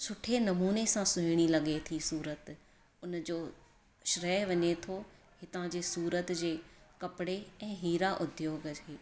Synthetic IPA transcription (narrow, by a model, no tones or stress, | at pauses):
sʊʈʰenɐmuːnesãsʊ̃ɦɪɽ̃ilɐɠet̪ʰisuːɾət̪ | ʊnd͡ʑoː | ʃɾɛːɦʋɐɲet̪ʰo | hɪt̪ãd͡ʑeːsuːɾət̪d͡ʑeːkɐpɪɽeɛ̃ːɦiːɾaʔʊd̪ʱjoːɡʰeː